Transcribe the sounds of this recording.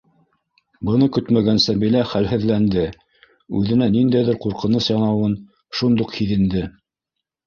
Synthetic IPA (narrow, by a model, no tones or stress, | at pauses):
bɤ̆nɤkɵt̪mæɡænsæbilæχælɦɘ̆ðlænd̪ɘ | ʉðɘ̆nænind̪æjðɘɾquɾqɤ̆nɤsjɑnɑwɤn | ʃund̪uqhiðɘ̆nd̪ɘ